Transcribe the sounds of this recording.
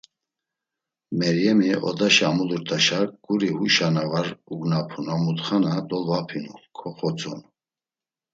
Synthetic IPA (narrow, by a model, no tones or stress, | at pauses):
mɛɾjɛmiɔ̰d̪aʃaːmuluɾt̪ʰʼaʃaɡ̥uɾihuʃanavaɾuɡnapʰunamut̪χanad̪ɔlvapʰinṵkʰɔχɔt͡sʼɔn